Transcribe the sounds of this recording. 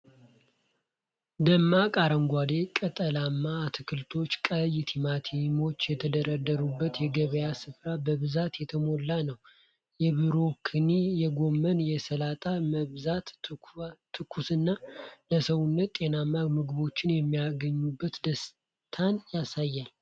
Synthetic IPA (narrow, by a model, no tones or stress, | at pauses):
d̪əmːakʼaɾəŋɡʷad̪ekʼət̪ʼəlamːaːt̪ʰɨkʰɨlt̪ʰo̞t͡ʃːkʼəjt̪ʰimat̪ʰimo̞t͡ʃːjɛt̪ʰəd̪əɾəd̪ːəɾubːət̪jɛɡəβəjasɨfɾabəβɨzat̪jɛt̪ʰəmo̞lːanəw | jɛβɨɾo̞kʰɨnijɛɡo̞mːənjɛsəlat̪ʼaməzat̪ | t̪ʰːɨkʰusɨnːaləsəwunːət̪t̪ʼːe̞namːamɨɡɨβo̞t͡ʃːɪnjɛmːijaɡəɲːubːət̪d̪əs | t̪ʰanjasajːal